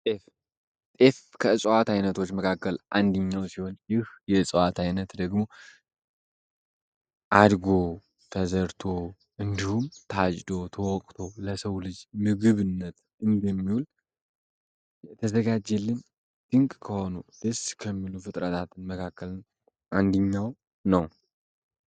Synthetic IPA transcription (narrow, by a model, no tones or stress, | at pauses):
t̪ʼef | t̪ʼefkʰəɨsʼwat̪ajnət̪ʰo̞t͡ʃːməkʰakːəlʔa̰nd̪əɲːawsiho̞njɪhjɛɨsʼwat̪ʰajnət̪d̪əɡmo̞ | ʔad̪ɡo̞ | t̪ʰəzəɾt̪ʰo̞ | ʔɨnd̪ihumt̪ʰad͡ʒʼd̪o̞t̪ʰəwɔkʼt̪ʰo̞ləsəwlɨd͡ʒmɨɡɨβɨnːət̪ | ʔɨnd̪əmːiwul | t̪ʰəzəɡad͡ʒɛlːɨn | d̪̥ɨŋkʼkʰəho̞nud̪̥əskʰəmːilufɨt̪ʼɾət̪ʰat̪ɨnməkʰakːəln | ʔand̪əɲːaw | nəw